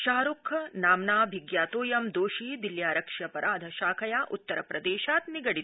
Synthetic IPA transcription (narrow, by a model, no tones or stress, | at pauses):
ʃɐːɦɐɾukʰːɐnaːmnaːbʱiɡjaːt̪oːjɐmd̪oːʃiːd̪iljaːɾɐkʂjɐpɐɾʔaːd̪ʱɐʃaːkʰɐjaːʔut̪ːɐɾɐpɾɐd̪eːʃaːt̪niɡɐɽit̪